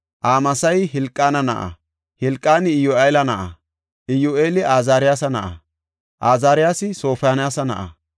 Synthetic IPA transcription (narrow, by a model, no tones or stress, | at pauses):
ʔaːmɐsɐjhɪlkʼːaːnɐnɐʔɐ̰ | hɪlkʼːaːnɪɪjoʔejlɐnɐʔɐ̰ | ʔɪjoːʔe̞ːlɪaːzaːɾɪjaːsɐnɐʔɐ̰ | ʔaːzaːɾɪjaːsɪso̞ːfjaːnɪjaːsɐnɐ̰ʔɐ̰